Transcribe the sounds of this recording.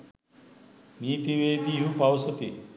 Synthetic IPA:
niːt̪iʋeːd̪iːɦupawsot̪i

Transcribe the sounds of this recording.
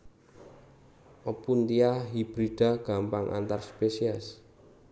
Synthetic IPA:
ʔɔpunt̪iaɦib̥ɾid̥a̤ɡ̥a̤mpaŋʔa̰nt̪arspesiɛs

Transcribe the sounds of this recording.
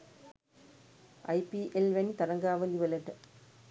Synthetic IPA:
ʔɐ̰jpiʔelʋenit̪ɐɾɐŋɡaːʋɐliʋɐlɐʈː

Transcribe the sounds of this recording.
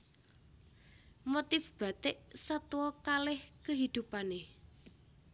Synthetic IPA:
mot̪ɪfb̥ä̤t̪ɪʔsat̪uwɔkalɪhkəɦid̪̥ṳpane

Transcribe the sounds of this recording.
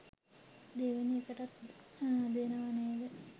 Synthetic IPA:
d̪eʋeniekəʈat̪ | b̪enəʋaneeɡə

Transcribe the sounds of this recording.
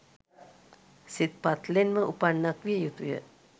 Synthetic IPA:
sit̪̚pat̪lenməʔupanːakʋijəjut̪ujə̰

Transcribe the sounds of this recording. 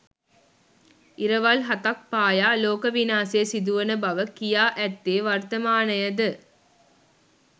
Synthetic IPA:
iɾɐʋalɦɐt̪ɐk̚paːjaːloːkɐʋinaːsiesid̪uʋɐnɐbɐʋɐkijaːʔæt̪ːeːʋɐɾt̪ɐmaːnɐjɐd̪ɨ

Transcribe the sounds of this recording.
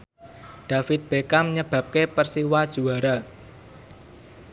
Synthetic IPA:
ɖ̥ä̤fɪt̪̚b̥ekamɲəb̥ä̤p̚kepərsiwad̥ʒ̥ṳaɾa

